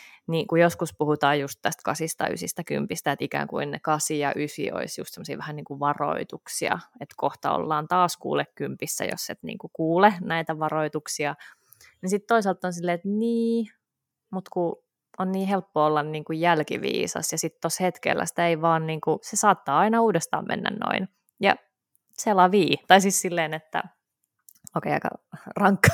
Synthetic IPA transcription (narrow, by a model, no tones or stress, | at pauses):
nikujoskuspuhut̪ɑːjjust̪t̪ːæst̪kɑsist̪ɑ̰y̰sist̪æky̰mpist̪æet̪ikæ̰ːŋkuinnḛkɑsijɑʔysḭo̰isjṵst̪semosḭːʋæhænniːŋkuʋɑro̰it̪uksiɑ̰et̪koht̪ɑo̰lːɑːnt̪ɑːskṵːlekkympisːæ̰jo̰sːet̪nḭːŋkukuːlenæit̪æʋɑroit̪uksiɑ | nisit̪t̪oisɑlt̪ːˑonsilːeːet̪niː | mut̪ku | onniːhelpːoolːɑnniːŋkujjælkḭʋḭːsɑ̰sjɑsit̪t̪oshet̪kḛlːæ̰si̥t̪æeiʋɑːnniːŋkusesɑːt̪ːɑːɑinɑuːdest̪ɑ̰ːmmʔḛnːæ̰nno̰in | jɑ̰ | selɑʋiːt̪ɑisissilːeːnet̪ːæ̰ | oːkḛiɑikɑ̰rɑŋkːɑ̥